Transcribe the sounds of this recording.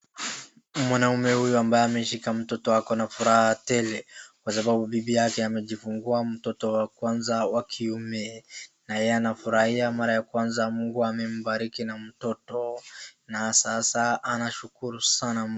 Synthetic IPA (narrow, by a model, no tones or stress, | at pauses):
mwanaumɛhujuambajɛamɛʃikam̩tɔtɔakɔnafuɾahatɛlɛkwasaɓabuɓibijakɛamɛʄifuŋɡuam̩tɔtɔwakwanzawakʰiumɛnajɛɛanafuɾahiamaɾajakwanzamuŋɡuamɛm̩baɾikinam̩tɔtɔnasasaanaʃukuɾusana